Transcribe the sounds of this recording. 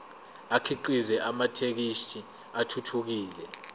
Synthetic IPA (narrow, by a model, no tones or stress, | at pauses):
akʰiǃizɛʔamatʰek̬iʃi | atʰutʰuk̬iːlɛ